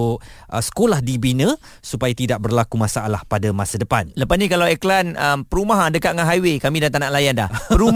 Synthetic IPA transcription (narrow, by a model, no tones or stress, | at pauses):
ʔə̰sə̥kolahdibinə̃ | supajat̪idaʔ̚bərlakumasaʔalahpadamasadəpanləpasnĩkalawɛklanəmpəɾumaɦadəkaʔŋaɦajwekamidant̪̬anãʔlajanda̰hpəɾum